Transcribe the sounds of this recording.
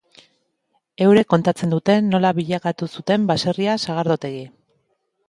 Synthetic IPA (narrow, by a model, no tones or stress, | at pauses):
e̞wɾe̞ko̞nt̪at͡se̞nd̪ut̪e̞nːo̞laβiʎakat̪usut̪e̞mbase̞riasaɣ̞aɾðot̪e̞ɣi